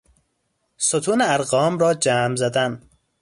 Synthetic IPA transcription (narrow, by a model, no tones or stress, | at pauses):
sot̪ʰuːneæɾɣɒːmɾɒːd͡ʒæːmzæd̪æn